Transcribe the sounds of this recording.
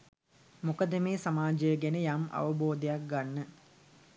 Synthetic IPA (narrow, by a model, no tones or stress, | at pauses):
mukəd̪əmeːsamaːd͡ʒəjəɡenəjama̰ʋəboːd̪əjak̚ɡanːə